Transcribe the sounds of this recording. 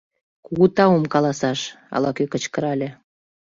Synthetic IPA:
kuɣut̪ɑumkɑlɑsɑʃ | ɑ̰lɑkøkət͡ɕkə̆ɾɑlʲe

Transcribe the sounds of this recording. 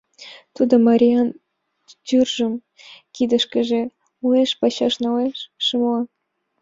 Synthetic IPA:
t̪ud̪ɤ̆mɑɾʲijɑn | t͡ɕyrʒɤ̆m | kʲid̪ə̆ʃkʲɘ̆ʒĕ | uleʃpɑɕɑʃnɑleʃʃɨmlɑ

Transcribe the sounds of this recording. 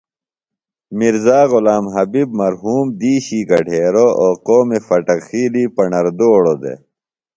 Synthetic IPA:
miɾzaːɣulaːmɦɐbib̚mɐɾɦuːmd̪iːɕiːɡɐɖʱeːɾooːqoːmefɐʈɐkxiːliːpɐɳɐɾd̪oːɽod̪ḛ

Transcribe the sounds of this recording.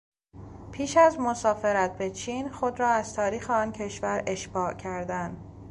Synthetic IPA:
pʰiːʃæzmo̞sɒːfe̞ɾæt̪̚be̞t͡ʃʰiːnxo̞d̪ɾɒːæz̥t̪ʰɒːɾiːxeɒːncʰe̞ʃvæɾe̞ʃbɒːʔcʰæɾd̪ænd̪̥

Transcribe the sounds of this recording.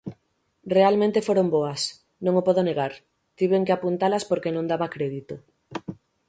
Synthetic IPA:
realmẽnt̪efoɾomboɐs | nõŋopɔðoneɣaɾ | t̪iβeŋkeapunt̪alɐspoɾkenõŋd̪aβakɾeðit̪o

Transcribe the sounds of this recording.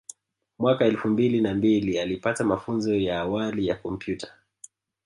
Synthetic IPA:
mwakaɛlfumbilinambilialipatamafunzɔjaːwalijakɔm̩pjutḁ

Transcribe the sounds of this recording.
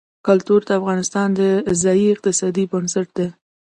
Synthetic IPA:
kʊlt̪uɾd̪əafɣɑnɪst̪ɑnd̪əzɑjiɪq̚t̪ɪsɑd̪ibənsaʈ̚d̪e

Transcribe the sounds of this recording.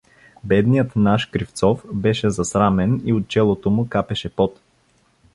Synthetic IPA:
bɛd̪nijət̪naʃkɾift̪sɔfbɛʃɛzɐsɾamɛniot̪̚t͡ʃɛlˠot̪omʊkapɛʃɛpɔt̪

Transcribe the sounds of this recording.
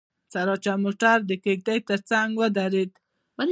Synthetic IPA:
t͡saɾɑt͡ʃamoʈaɾd̪əkeɡ̚d̪ajt̪əɾt͡saŋɡwəd̪aɾed̪ | bal

